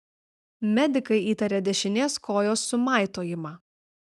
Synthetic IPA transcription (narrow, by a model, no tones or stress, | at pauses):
mʲɛd̪ʲɪkɐɪiːt̪ɐɾʲɛd̪ʲɛʃʲɪnʲeːskoːjoːsːʊmɑˑɪt̪oːjɪmɑː